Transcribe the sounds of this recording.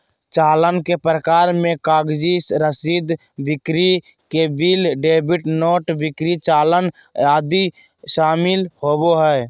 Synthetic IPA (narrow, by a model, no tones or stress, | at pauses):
t͡ʃaːlənkepɾəkaːɾmẽkaːɡd͡ʒisɾəsiːd̪ | ʋɪkɾi | kebiːlɖeːbɪʈnoːʈʋɪkɾit͡ʃaːlən | aːd̪i | ʃaːmɪlhoːboɦɛː